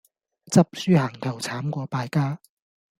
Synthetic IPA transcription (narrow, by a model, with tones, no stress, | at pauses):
t͡sɐ˥p̚syː˥haː˨˩ŋt̪ʰɐ˨˩wt͡sʰaː˨˥mkʷɔː˧paː˧jkaː˥